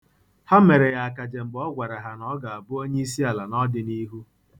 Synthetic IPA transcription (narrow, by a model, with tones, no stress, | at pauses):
ha˦me˨ɾe˨ja˨a˨ka˨d͡ʒe˨ŋ͡m̩˨ɡ͡bɔ˦ɡʷa˨ɾa˨ɦa˨nɔ˦ɡa˨a˨bʊ˦o˦ɲe˦i˦si˦a˨la˨nɔ˦dɪ˨ni˦ɦu˦